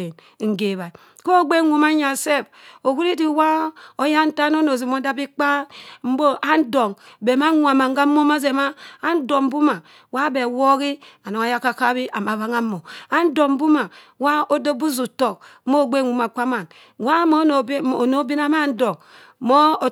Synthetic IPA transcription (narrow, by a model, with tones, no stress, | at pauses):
n˨ | ŋ̩˨ɡe˨βa˨ | ko˦o˦ɡ͡be˦wʷu˨ma˦ɲa˨se˦˨fo˨ku˦ɾi˦di˨wa˦o˦ja˦n̩˦ta˦no˦no˨zi˨mo˦da˦bi˦k͡pa˦m̩˦bo˦ʔa˦n˦do˨ŋbe˨ma˦ŋʷ˦˨a˨ma˨ŋ˦a˦mo˦ma˦ze˨maː˦n˦do˨m˦bu˦ma˨ | wa˦be˨wo˦ɣi˦a˨no˨ŋa˦ja˦ka˦ka˦bi˦ʔa˨ma˨βa˦ŋa˦mo˨a˦n̩˦do˨m˦bu˦ma˨ | wa˦o˦do˦bu˦zu˨to˨k̚mo˦˨ɡ͡be˦˨ŋʷu˨ma˨k͡pʷa˦ma˨n | wa˦mo˦n˨˦o˨no˨˦bi˦na˦ma˦n̩˦do˨ŋ | mo˦˨